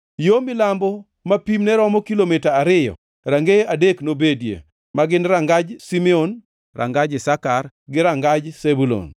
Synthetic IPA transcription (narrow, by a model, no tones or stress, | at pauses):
jomɪlambɔ | mapimnɛɾɔmɔkilomitaːɾɪjɔ̰ | ɾaŋɡeadeknobedjḛ | maɡɪnɾaŋɡad͡ʒsimɛon | rʔa̰ŋɡad͡ʒɪsakar | ɡɪɾaŋɡad͡ʒsebulo̰n